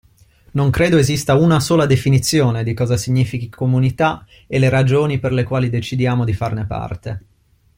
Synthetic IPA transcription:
noŋkɾeːd̪oezist̪aunasoːlad̪efinit̪sːjoːned̪ikɔːzasiɲːiːfikikomunit̪a | eleɾad͡ʒoːniperlekwaːlid̪et͡ʃid̪jaːmod̪ifarnepa̰rt̪e

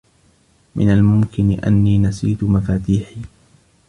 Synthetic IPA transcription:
mɪ̰nalmʊmkɪnɪʔa̰nːiːnasiːt̪ʊmafaːt̪iːħiː

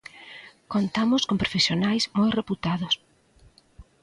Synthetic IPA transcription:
kont̪amʊskompɾofesjonajsmojreput̪aðʊs

